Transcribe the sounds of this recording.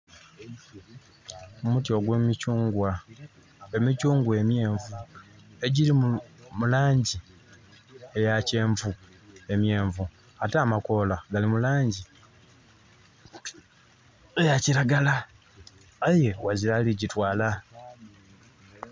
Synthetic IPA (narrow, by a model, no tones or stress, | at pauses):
omutjo̞ɡwemicuːŋɡwa | emicuːŋɡwe̞mje̞ːɱvu | e̞ɟilimulaːɲɟi | e̞jace̞ːɱvu | e̞mje̞ːɱvu | ataːmako̞ːlaɡalimulaːɲɟi | ejaciɾaɡalaː | je̞waziɾaliɟitwaːla